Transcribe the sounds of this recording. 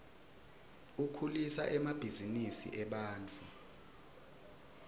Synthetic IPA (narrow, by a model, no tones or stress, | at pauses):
ukʰulisa̰ʔɛmab̥ʱizinisḭʔɛɓaːnt͡fʰʼu